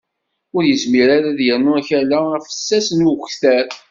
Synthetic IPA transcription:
ʊɾjəzmiɾaɾaðjəɾnʊæçəlææfə̥sːæsənuxtæɾ

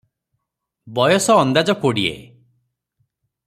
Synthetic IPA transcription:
bɔjɔsɔːnd̪ad͡ʒɔkoɽiḛ

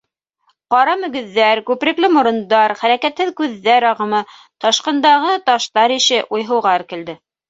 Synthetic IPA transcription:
qɑɾɑmɵ̆ɡɵ̆ðːæɾkʉpɾɘ̆klɘmŏɾɤ̆nd̪ɑɾχæɾækæt̪hɘðkʉðːæɾɑʁɤ̆mɤ | t̪ɑʃqɤ̆nd̪ɑʁɤt̪ɑʃt̪ɑɾiʃɘʔujɦɤ̆wʁɑɾkɘ̆ld̪ɘ

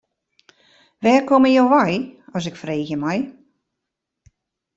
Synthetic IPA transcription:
ʋɛːkoməjowʋajɔs̬ɪkfreːxjəmaj

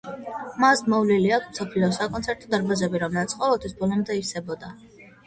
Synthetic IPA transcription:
masmɔvliliakʰmsapʰliɔsakʼɔnt̪sʰɛɾt̪ʼɔd̪aɾbazɛbiɾɔmlɛlat̪sʰqʼɔvɛlˠt̪ʰwisbɔlˠɔmd̪ɛiɾsɛbɔd̪a

